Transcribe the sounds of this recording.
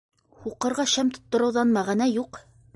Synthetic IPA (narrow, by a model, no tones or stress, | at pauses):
huqɤ̆ɾʁɑʃæmt̪ŏ̥t̪ːŏɾɤ̆wðɑnmæʁænæjuq